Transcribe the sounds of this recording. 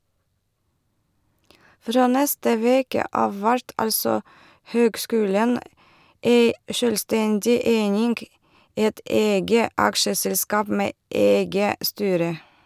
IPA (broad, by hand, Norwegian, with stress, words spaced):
ˈfɾoː ˈnɛstə ˈʋeːkə ˈɑːʋ ˈʋæɾt ˈɑlsɔ ˈhøːɡˌskʉːlɛn ˈeɪ ˈʃøːlˌstɛndɪ ˈeɪnɪŋɡ ˈɛt ˈɛɡə ˈɑkʃəsɛlˌskɑːp ˈmeː ˈɛɡə ˈstyːɾə